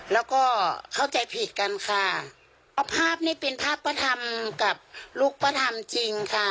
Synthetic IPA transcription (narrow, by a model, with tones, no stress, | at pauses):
lɛː˧˥˩wkɔː˧˩kʰa˧˥˩wt͡ɕa˨˩jpʰi˨˧˩t̪̚ka˧nkʰa˧˩ | ɔ˧pʰaː˥˩p̚niː˧˥˩pe˨npʰaː˥˩˨pːa˧t̪ʰa˧mka˧˩p̚luː˧˥˩k̚pa˧t̪ʰa˧mt͡ɕi˧ŋkʰa˧˩